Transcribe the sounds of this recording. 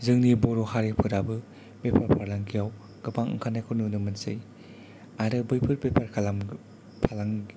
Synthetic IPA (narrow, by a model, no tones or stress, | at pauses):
zɯŋniboɾohaɾepʰɯɾabɯ | pepʰaɾpʰaɾlaŋkʰijaw | ɡ̥ɯpʰaŋɯ̰ŋkʰanajkʰununɯmɯnsɯ̰j | aɾɯbɯjpʰɯɾpepʰaɾkʰalam | pʰalaŋɡi